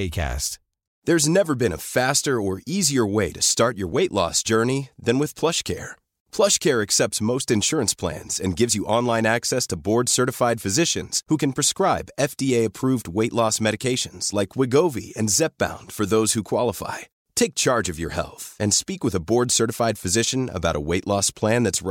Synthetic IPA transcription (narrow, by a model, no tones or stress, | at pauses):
kʰæ̰st | ðə˞znɛvə˞bɨ̃ñə̰fæstə˞ə˞iziə˞weɪɾɨstɑɹt͡ʃə̰˞weɪʔlɔ̰sd̥ʒ̥ɜ˞niðɨ̃nwɨð̥pʰl̥ʌʃkʰɛ̰ɹ | pʰl̥ʌʃkʰɛɹɨksɛp̚tsmoʊstɨ̃nʃʊɹɨ̃nspʰl̥æ̰̃nz̥ɨ̃nɡɪvzjɨʔɑ̃nlãɪ̃næksɛstʰəbɔɹd̥sɜ˞ɾɨfaɪd̥fɨzɪʃɨ̰̃nz̥hukɨ̃n̩pʰɹ̥ɨskɹaɪbɛfd̥ieɪɨpʰɹ̥uvd̚weɪʔˡlɔsmɛɾɨkʰeɪʃɨ̃nz̥laɪkʰwɪɡoʊvḭɨ̰̃nzɛp̚b̥ã̰ʊ̃nd̥fə˞ðoʊz̥hukʰw̥ɑlˠəfa̰ɪ | tʰeɪk̚t͡ʃʰɑɹd͡ʒʌvjə̰˞hɛ̰lˠθɨ̃nspikwəðəbɔɹdsɜ˞ɾɨfaɪd̥fɨzɪʃɨ̃nə̰baʊɾʔə̰weɪʔˡlɔspʰl̥æ̃nðɨts